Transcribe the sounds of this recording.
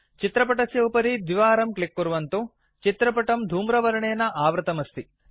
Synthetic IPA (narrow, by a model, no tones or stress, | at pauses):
t͡ʃit̪ɾɐpɐʈɐsjɐwpɐɾid̪ʋiʋaːɾɐmklikːuɾuʋɐnt̪u | t͡ʃit̪ɾɐpɐʈɐmd̪ʱuːmɾɐʋɐɾɐɳeːnɐʔaːʋɾɐt̪ɐmɐst̪i